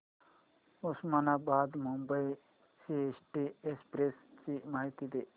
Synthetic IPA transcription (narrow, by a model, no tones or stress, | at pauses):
usmanabaːd̪mumbəi | siet͡ʃʈiespɾest͡ʃimaːɦit̪id̪e